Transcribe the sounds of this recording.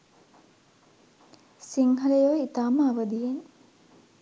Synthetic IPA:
siŋɦɐlejoʋit̪aːməaʋəd̪ijen

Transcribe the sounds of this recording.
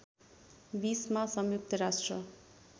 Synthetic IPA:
bismasʌmjuk̚t̪ʌɾasʈrʌ

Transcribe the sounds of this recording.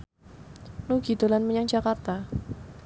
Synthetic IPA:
nuɡ̥id̪olanməɲaŋd͡ʒakart̪a

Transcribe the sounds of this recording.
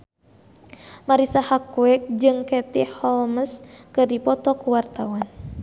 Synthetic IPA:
maɾisahakuɛk̚d͡ʒɨŋkɛt̪ihɔlməskɨrdipɔt̪ɔkuwart̪awan

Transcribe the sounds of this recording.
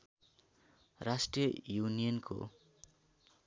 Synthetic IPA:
rasʈrijʌjunijʌnkʰo̰

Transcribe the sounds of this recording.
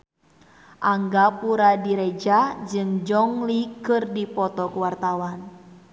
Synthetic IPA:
ʔaŋɡapuɾadiɾɛd͡ʒad͡ʒɨŋd͡ʒɔŋlikɨrdipɔt̪ɔkuwart̪awan

